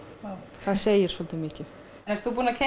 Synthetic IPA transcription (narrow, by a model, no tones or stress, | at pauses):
θaðseːjɪɾ̥svɔlt̪ɪmɪːcɪθ | nɛɾ̥t̪θupuːnacʰɛ